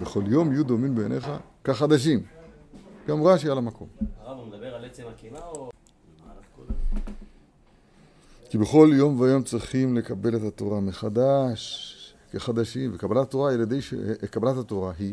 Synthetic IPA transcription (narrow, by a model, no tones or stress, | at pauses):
beχo̞ljo̞mjud̪o̞mimbenʔeχakaχad̪aʃ̬im | jomʁaʃajalamako̞̰mavmd̪beaet͡seki | kibe̞χo̞ljo̞mveajo̞mt͡sʁiχimle̞kabe̞le̞t̪at̪o̞ʁameχad̪aʃ | keχad̪aʃimvekabalat̪at̪o̞ʁajelad̪ejʃḛkabalat̪at̪o̞ʁaɦi